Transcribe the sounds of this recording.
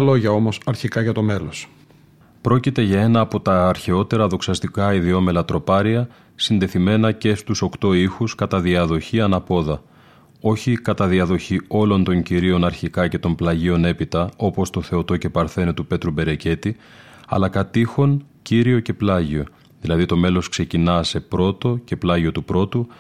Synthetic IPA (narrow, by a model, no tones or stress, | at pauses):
lo̞ʝɐo̞mo̞sɐɾçikɐʝɐt̪o̞melos | pɾo̞cit̪e̞ʝɐe̞nɐːpo̞t̪ɐːɾçe̞o̞t̪e̞ɾɐðo̞ksɐst̪ikɐiðio̞me̞lɐt̪ɾo̞pɐɾiɐ | sind̪e̞θime̞nɐce̞st̪uso̞kt̪o̞ixuskɐt̪ɐðiɐðo̞çiɐnɐpo̞ðɐ | o̞çikɐt̪ɐðiɐðo̞çio̞lo̞nt̪o̞ɲciɾio̞nɐɾçikɐce̞t̪o̞mplɐʝio̞ne̞pit̪ɐo̞po̞st̪o̞θe̞o̞t̪o̞ce̞pɐɾθe̞not̪upe̞t̪ɾube̞ɾe̞ce̞t̪i | ɐ̰lɐkɐt̪ixo̞n | ciɾio̞ce̞plɐʝio̞ | ðilɐðit̪o̞me̞lo̞skse̞cinɐse̞pɾo̞t̪o̞ce̞plɐʝio̞t̪upɾo̞t̪u